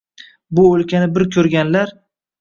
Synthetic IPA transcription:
bʊɵlkʲʰanɪbɪɾkʲʰɵɾɡʲanlaɾ

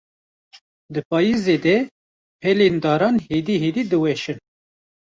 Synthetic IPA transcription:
d̪ɨpɑːjized̪ɛ | pʰɛlend̪ɑːɾɑːnhed̪iɦeːd̪id̪ɨwɛʃɨn

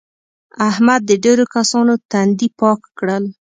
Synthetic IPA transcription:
ahmad̪ːəɖeɾokasɑnot̪and̪ipɑkːɽəl

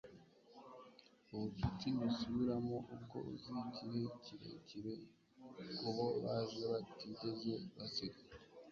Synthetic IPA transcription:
oβupitinusuβiɾamoʔuko̰ṵziciɾeciɾḛciɾe | kuβoβazeβatitezeβasika

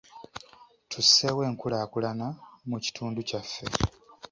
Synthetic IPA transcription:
tʰusewe̞ːŋkulaːkulanamuci̥tʰuːnducafːe̞

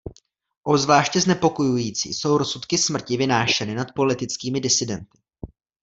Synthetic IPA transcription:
ʔozvlaːʃcɛznɛpo̞ko̞jujiːt͡sḭːso̞wɾo̞sut̪kɪsmr̩cɪvɪnaːʃɛnɪnat̪̚po̞lɪt̪ɪt͡skiːmɪdɪsɪdɛnt̪ɪ̥

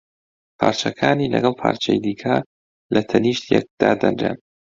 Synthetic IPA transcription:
pʰaːɾt͡ʃɐkʰaːnilɐɡɐlˠpʰa̰ːɾt͡ʃʰɐjd̪iːkʰɐ | lɐt̪ʰɐniːʃt̪jɛk̚d̪̥aːd̪ɐnɾḛn

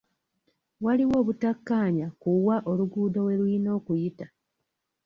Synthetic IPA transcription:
waliwo̞ːβutakːaːɲakuwaʔo̞luɡuːdowe̞lwino̞ːkujita

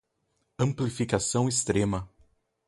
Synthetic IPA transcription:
ɐ̃mplifikasɐ̃w̃est̪ɾẽmɐ

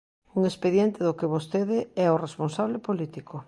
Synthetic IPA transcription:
uŋespeðjent̪eðʊkɪβost̪eðɪɛoresponsaβ̞lepolit̪iko

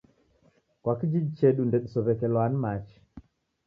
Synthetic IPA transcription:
kwakid͡ʒid͡ʒit͡ʃɛɗundɛɗusɔβɛkɛlwanimat͡ʃi̥

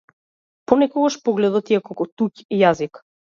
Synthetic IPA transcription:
pɔnɛkɔɡaʃpɔɡlɛd̪ɔt̪iakɔkɔt̪ucijazik

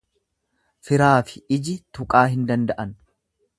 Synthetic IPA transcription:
fɪɾaːfɪ̥ɪd͡ʒɪt̪ʊkʼaːɦɪnd̪ɐnd̪ɐʔɐn

